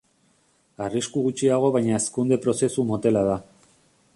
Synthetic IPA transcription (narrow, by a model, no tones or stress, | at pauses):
ariskuɣut͡ʃiaɣ̞o̞β̞ajɲaeskund̪e̞pɾo̞se̞sumo̞t̪e̞lað̞a